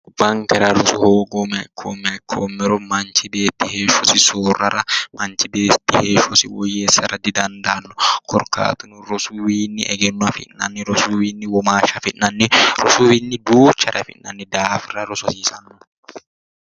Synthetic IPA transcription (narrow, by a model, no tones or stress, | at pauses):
b̥ɐŋkɛɾɐɾʊsɔhoːɡoːmɐkʰːoːmɛkʰːoːmːɛɾɔmɐnt͡ʃɪbe̞ːt̪ːɪheːʃɔsɪsoːrːɐɾɐmɐnt͡ʃɪbeːt̪ːɪheːʃɔsɪwɔjeːsːɐɾɐd̪ːɪd̪ɐnd̪ɐnːɔkɔɾka̰ːt̪ʊnʊɾɔsʊwiːnːɪʔɛɡɛnːɔɐfɪ̰nːɐnːɪɾɔsʊwiːnːɪwɔmaːʃɐfɪnːɐnːɪɾɔsuwinːɪd̪uːt͡ʃːɐɾɐfɪ̰nːɐnːɪd̪aːfɪrɐɾʊsɔsiːsɐnːʊ